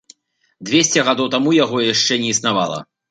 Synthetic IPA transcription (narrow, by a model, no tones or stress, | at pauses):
d̪vʲesʲt͡sʲɛɣad̪ɔwt̪amujaɣɔjaʂt͡ʂɛnʲɛisnava̰lˠɐ̰